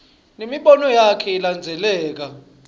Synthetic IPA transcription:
nemiɓɔnɔjakʰɛiland͡zʱɛlɛːk̬a

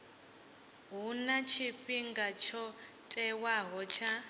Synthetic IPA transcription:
ɦunat͡ʃʰiɸiŋɡat͡ʃʰɔ | tʼɛwaɦɔt͡ʃʰa

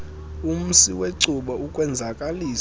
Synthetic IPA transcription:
um̩siweǀuɓaukʼwɛnd͡zʱakʼaliː

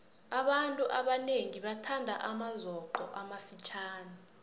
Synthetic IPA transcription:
aɓantʼuʔaɓaneŋiɓatʰandʱaʔamazɔǃɔ̰ʔamafit͡ʃʰaːna

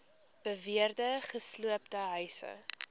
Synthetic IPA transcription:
b̥əviərdəχəsluəptəɦœɥsə̰

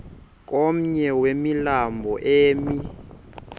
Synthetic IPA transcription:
k̬ʼom̩ɲɛwemilambʱɔʔeːmi

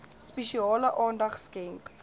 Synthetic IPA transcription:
spɛʃiɑːləʔɑːndɐχskɛŋk

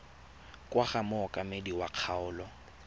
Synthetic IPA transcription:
kʼwaχamʊɔkʼamediwaq͡χʰaʊːlɔ

